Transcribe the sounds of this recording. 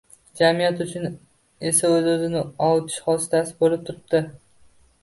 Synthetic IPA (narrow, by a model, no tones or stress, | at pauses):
d͡ʒamijat̪ʊt͡ʃʰʊn | e̞saɵzɵzɪnɪɒwt̪ʰɪ̥ʃhɒsɪ̥t̪ʰasɪ̥bolɪp̚t̪ʰʊɾɪp̚d̪̥ɪ